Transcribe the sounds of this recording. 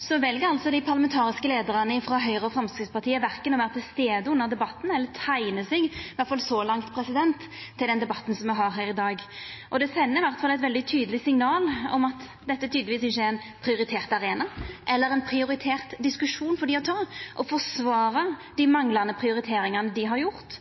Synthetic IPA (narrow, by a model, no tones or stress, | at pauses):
sɔʋɛlɡəɾɑlt̪sɔd̪ɪpʰɑʁlɑmɛnt̪ʰɑːɾɪskəleːd̪əɾɑnəɪfɾɑɦœʏʁəɔfɾɑmskɾɪt̪spɑʁt̪ʰiːəʋæɾkənɔʋæːɾət̪ʰɪlst̪eːd̪əʉnːəʁd̪ɛbɑt̪ːn̩ɛlːət̪ʰæɪnəsɛɡʋæɾt̪fɑlsɔlɑŋt̪pʰɾɛsɪd̪ɛnt̪ʰːɪld̪ɛnd̪ɛbɑt̪ːn̩sɔmʋɛɦɑɾɦæːɾɪd̪ɑːɡʔɔd̪ɛsɛnːəɪʋæɾt̪fɑlːɛɪt̪ʋɛld̪ɪt̪ʰyːd̪əlɪsɪŋnɑːlɔ̰mɑt̪ | d̪ɛt̪ːət̪ʰyːd̪lɪʋiːsɪçːəæɾɛɪn | pʰɾɪʊɾɪt̪ʰeːʁt̪ɑɾeːnɑʔɛlːəɾɛnpʰɾɪʊɾɪt̪ʰeːʁt̪d̪ɪskʉʂuːnfɔɾd̪ɪɔt̪ʰɑːʔɔfɔʁsʋɑːɾɑd̪̥ɪmɑŋlɑnəpʰʁɪʊɾɪt̪ʰeːɾɪŋɑnəd̪ɪɦɑɾjʊɾt̪